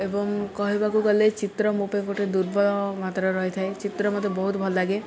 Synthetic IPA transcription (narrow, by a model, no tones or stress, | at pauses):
ebɔŋkɔɦibakuɡɔlet͡ʃit̪ɾɔmupekoʈed̪uɾbɔlɔmat̪ɾɔɾɔɦet̪ʰaet͡ʃit̪ɾɔmɔt̪ebɔɦut̪bʱɔlɔlaɡe